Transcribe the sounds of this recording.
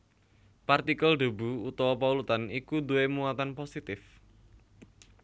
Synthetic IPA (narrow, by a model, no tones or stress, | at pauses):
part̪ikəlɖ̪ṳbuut̪ɔwɔpaulut̪anikud̪uwemuat̪anposit̪ɪf